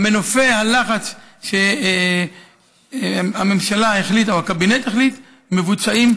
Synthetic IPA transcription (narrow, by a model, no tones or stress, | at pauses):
me̞nofe̞halaχat͡sʃe | amemʃalaeχlit̪ohakabinet̪eχlit̪ | me̞vut͡saim